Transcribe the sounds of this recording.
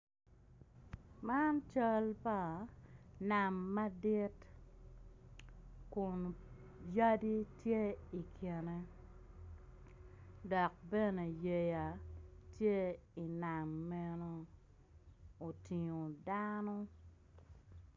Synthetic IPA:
ma˦nt͡ʃa˦lpa˦ | na˨mːa˦di˦t | kʊ˨n | ja˦di˦tje˦i˨kʰje˨ne˦ | dɔ˨k̚bɛ˦ne˨je˨ja˨tje˦i˨na˨mːɛ˦no˦ | o˨ti˨ŋo˨da˦no˦

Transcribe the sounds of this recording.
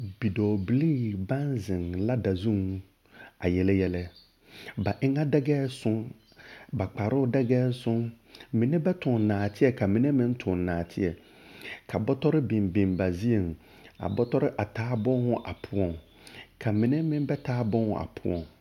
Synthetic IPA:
b̥i˨dɔː˨bli˦˨bã˦nzɪ̃˨ŋla˦da˨zũ˦ŋ | a̰˨jɛ˨lɛ˦jɛ˦lɛ˦ | ba˨ʔɪ̃˦ŋã˦dɛ˦ɡɛː˦sʊ̃˦n | ba˨k͡pa˨ɾʊ˦ʊ˦dɛ˦ɡɛː˦sʊ̃˦n | mĩ˨nɛ̃˦bɛ˦tʰʊ̃˨nãː˨tʰɪ˦ɛ˨kʰa˨mĩ˨nɛ̃˦mɪ̃˦n̩˦tʰʊ̃˨n˨nãː˨tʰɪ˦ɛ˨ | kʰa˨bɔ˦tʰɔ˦ɾɪ˦bɪ̃˨mbɪ̃˨mba˨zi˦e˨ŋ˨ | a̰˨bɔ˦tɔ˦ɾɪ˦ʔa˨tʰaː˨˦bɔ̃˦nhʊ̃˦ʔa̰˨pʰʊ˨ɔ˨ŋ | kʰa˨mĩ˨nɪ̃˦mɪ̃˦m˦bɛ˦tʰaː˦bɔ̃˦nhʊ̰̃˨ʔa̰˨pʰʊ˨ɔ̰̃˨ŋ

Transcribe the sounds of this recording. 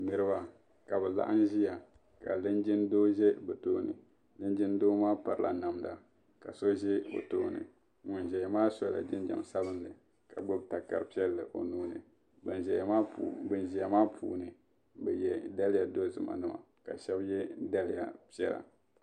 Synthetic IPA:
nɨ˨ɾɨ˦ba˨ | ka˨bɛ˨la̰˦ʔɨ˦n˦ʒi˦ja˨ | ka˨lɨ˦nd͡ʒɪ˦ndoː˦ʒɛ˦bɛ˨toː˦nɨ̰˨ | lɨ˦nd͡ʒɪ˦n˦doː˦maː˦pa˨ɾɨ˨lʔa˨na˨mda˨ | ka˨so˦ʒɛ˦bo̰˨toː˦nɨ̰˨ | ŋʊ˨n˨ʒɛ˨ja˨maː˦sɔ˦la̰˨d͡ʒɪ˦n˦d͡ʒa̰˨m˨sa˦bɨ˦nlɨ˨ | ka˨ɡ͡bo˦bta˨ka˨ɾɨ˨pi˦ɛ˦lːɨ˨ʔo̰˨noː˦nɨ˨ | bɛ˨nʒɛ˨ma˦˨bɨ˨nʒi˨ja˨maː˦pʰṵː˦nɨ˨ | bɛ˨jɛ˨da˦lɪ˦ja˨do˦zɨ˨ma̰˨nɨ˦ma̰˨ka˨ʃɛ˦bjɛ˦da˦lɪ˦ja̰˨pi˦ɛ˦la̰˨

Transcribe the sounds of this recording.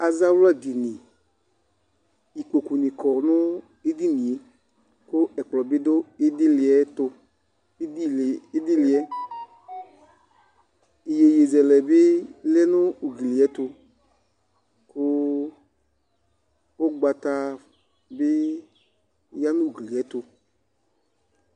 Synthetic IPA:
a˨za˦wla˦˨ɡi˨nĩ˨ | i˨ko˨ku˨nĩ˨kɔ˨nʊ̃˦ | e˦di˦nĩ˨e˨ | kʊ˦ɛ˨k͡plɔ˨bɪ˦dʊ˦ɪ˦dɪ˦lɪ˨ɛ˨tʊ˧˦ | di˦˨˦dɪ˦lɪ˨ɛ˦ | i˨je˨je˨zɛ˨lɛ˨bɪ˦lɛ˦nʊ̃˦u˨ɡi˨li˨ɛ˨˦t̪ʊ˧ | kʊ˦ | o˦ɡ͡ba˧t̪a˧ | bɪ˦ | ja˦nʊ̃˦˨ɡi˨li˨ɛ˨˦t̪ʊ˧

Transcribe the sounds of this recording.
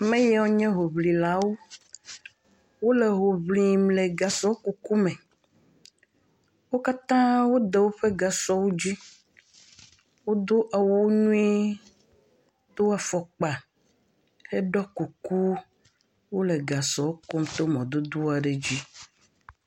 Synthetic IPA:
mẽ˦jo˦ɲɛ̃˦ɦo˨βlĩ˨la˨˦wo˦ | wo˦le˨ɦo˨βli˨mle˨ɡa˨sɔ˦ku˨ku˦mẽ˨ | wo˦ka˦t̪ã˦wo˦d̪e˨wo˦ɸe˦ɡa˨sɔ˦wo˦d͡ʑi˦ | wo˦d̪o˦ʔa˨wo˦ɲũ˦i˦ | t̪o˦wa˨fɔ˨k͡pa˨ | he˦ɖɔ˦ku˨ku˦ | wo˦le˨ɡa˨sɔ˨wo˦kɔ˦mt̪o˦mɔ̃˨d̪o˦d̪o˦a˨ɖe˨d͡ʑi˦

